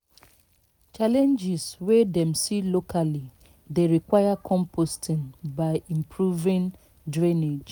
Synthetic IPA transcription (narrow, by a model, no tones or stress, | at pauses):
t͡ʃalɛ̃nd͡ʒɪswedɛ̃msilokʰali | deɹikwajakʰɔ̃mpostʰĩnbaɪĩmpʰɹuvĩn | dɹĩned͡ʒ